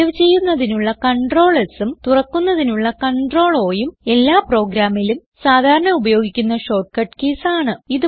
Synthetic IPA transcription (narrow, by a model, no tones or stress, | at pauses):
ɐʋt͡ɕe̞jːunːɐðinuɭːɐkɐɳɖro̞ːɭesumt̪urɐkːunːɐðinuɭːɐkɐɳɖro̞ːɭo̞ːjume̞lːaːpro̞ːɡɾaːmːilum | saːd̪ʱaːɾɐɳɐubɐjo̞ːɡikʲːunːɐɕo̞ːʈ̚kɐʈkeːsaːɳɨiðɨ